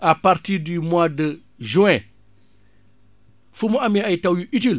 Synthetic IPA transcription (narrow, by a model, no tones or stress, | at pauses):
apaɾtidumwadə | ʒuẽ | fumuamiajitawjuit̬il